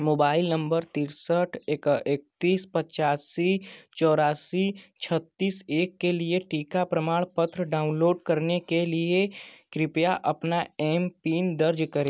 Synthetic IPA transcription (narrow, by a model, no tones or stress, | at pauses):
moːbaːɪlnə̃mbəɾt̪iːɾsəʈʰekek̚t̪iːspɐt͡ʃaːsit͡ʃɔːɾaːsit͡ʃʰɐt̪ːiːseːkːelieʈiːkapɾəmaːɽ̃pət̪ɾɖaːʊ̃nloːɖkɐɾnekeliekɾɪpjaʔɐpnaɛːmpiːnd̪ɐɾd͡ʒkɐɾeː